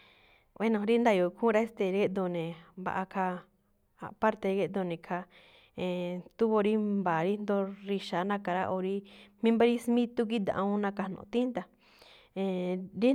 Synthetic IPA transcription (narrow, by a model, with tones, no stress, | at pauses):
wʔe˦nõ˧ɾi˦nd̪a˧˨jo˨˧kʰũ˦ɾa˦e˦st̪e˧ɾe˦ʔd̪o˧nẽ˨ba̰˧ʔa˧kʰa˧ | a̰˧pa˦ɾt̪e˧ɣe˦ʔd̪o˧nẽ˨kʰa˧ | ẽ˨t̪u˦βo˧ɾi˦mba˨ɾi˦nd̪o˧ɾi˧ʃa˨˦nã˧ka˨˧ɾa̰˦ʔo˧ɾi˦mĩ˦mba˦ɾi˦smĩ˦t̪u˦k̬i˦d̪ã̰˧ʔũ˦nã˧ka˧nõ̰˧˨˧t̪ĩ˦nt̪a˧ | ẽ˧˨ɾi˦